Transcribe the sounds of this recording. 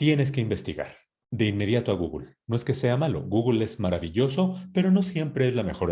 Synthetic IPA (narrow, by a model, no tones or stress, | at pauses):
t̪je̞ne̞s̬ke̞imbe̞st̪iɣa̰ɾ | d̪e̞inme̞ð̞jat̪oaɣuɣṵlno̞e̞ske̞se̞amalo̞̰ɣuɣule̞zmaɾaβiʝo̞so̞pe̞ɾo̞no̞sje̞mpɾe̞ezlame̞xo̞ɾ